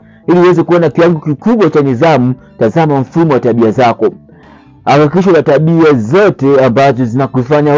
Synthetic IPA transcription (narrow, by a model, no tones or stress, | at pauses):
iliuwɛzɛkuɔnakiwaŋɡɔkikuɓwat͡ʃanizamu | tazamam̩fumɔwataɓiazakɔ | hakikiʃ̬ɔlataɓiazɔtɛambazɔzinakufaɲa